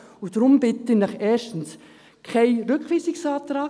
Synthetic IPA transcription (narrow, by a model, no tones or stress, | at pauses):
ʊdɾʊmbɪt̪ənɑχɛːʃtəns | kʰaɪɾʏkχʋiːsɪksaːt̪ɾaː